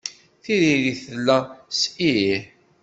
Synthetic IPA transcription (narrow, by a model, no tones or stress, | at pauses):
θiðiðiθəlːæsii